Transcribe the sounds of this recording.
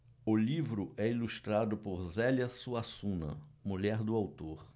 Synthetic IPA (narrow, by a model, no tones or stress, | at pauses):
ʊlivɾʊʔɛilust̪ɾad̪ʊpoɾzɛljɐsuasũnɐ̰muʎɛɾd̪ʊawt̪oɾ